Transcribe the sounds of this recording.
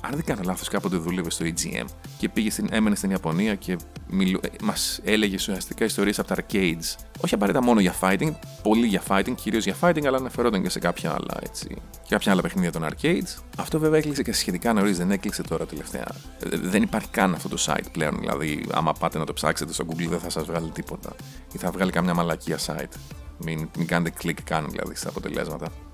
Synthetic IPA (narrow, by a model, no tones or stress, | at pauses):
ɐ̰nðeŋɡɐnelɐθo̞skɐpot̪̬e̞ðulevest̪o̞id͡zḭḛmce̞piʝest̪ine̞menest̪iniɐpo̞niɐce̞milmɐse̞le̞ʝesusiɐst̪i̥kɐist̪o̞ɾiesɐpot̪ɐɐɾceid̪z | o̞çiɐpɐɾet̪ɐmo̞no̞ʝɐfɐit̪iŋɡpo̞liʝɐfɐit̪iŋɡciɾio̞zʝɐfɐit̪iŋɡɐlɐnɐfe̞ɾo̞t̪ɐɲce̞se̞kɐpçɐɐ̰lɐ̰e̞̰t͡sḭ | ekɐpçɐɐlɐpe̞xniðiʝɐt̪o̞nɐ̰ɾceid̪z | ɐft̪o̞veveɐeklikseceçe̞t̪ikɐno̞ɾizðene̞klikse̞t̪o̞ɾɐt̪eleft̪e̞̰ɐ̰ | ðenipɐɾçi̥kɐnɐft̪o̞t̪o̞sɐ̰ḭt̪ple̞o̞nðḭlʔɐ̰ðiɐ̰mɐpɐt̪enɐt̪opsɐ̰kse̞t̪est̪o̞ɡuɡlðeθɐsɐzvɣɐlit̪ipo̞t̪ɐ̰iθɐvɣɐlikɐmɲɐmɐlɐciɐsɐ̰it̪minmikɐnet̪eklikːɐnðḭlʔɐ̰ðḭst̪ɐːpot̪e̞̰le̞̰zmɐt̪ɐ